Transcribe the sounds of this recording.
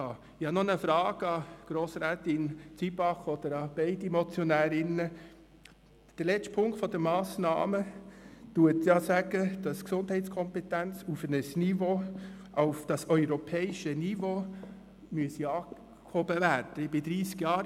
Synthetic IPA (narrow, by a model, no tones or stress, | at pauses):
ɑ | ɪhɑnonəfɾɑːɡ̥ɑɡ̥ɾoːsɾæːt̪ɪnt͡sibɑχɔd̪̥əɾɑb̥ɛɪdimɔt͡sjɔnæːɾɪnə | d̥əɾlɛt͡stpʰʊŋkt̪fɔd̥̪əmɑːsnɑ̰ːmət̪uətjɑsæɡ̥əd̥ɑsksʊnd̥hɛɪtskʰɔmpɛtænt͡sufənəsnivoː | ʔaʊfd̥ɑsœʏɾɔpʰɛːɪʃənivo | myəsiɑː | khobəværd̥əɪbɪd̪ɾiːskjɑːɾ